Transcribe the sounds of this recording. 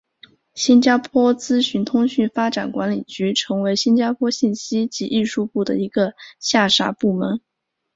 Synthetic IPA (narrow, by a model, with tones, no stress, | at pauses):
ɕi˥nt͡ɕja˥pʰwɔ˥t͡sɹ̩˥ɕy˧˥nt̪ʰʊ˥ŋɕy˥˩nfa˥ʈ͡ʂa̰˨˩nkwa˧˥nli˨˩t͡ɕy˧˥ʈ͡ʂʰɤ˧˥ŋwe˧˥ɪɕi˥nt͡ɕja˥pʰwɔ˥ɕi˥˩nɕi˥t͡ɕi˧˥ʔi˥˧ʂu˥˧pu˥˩d̪ə̰˩i˧˥ɡə˧ɕja˥˩ʂa˧˥pu˥˩mə˧˥n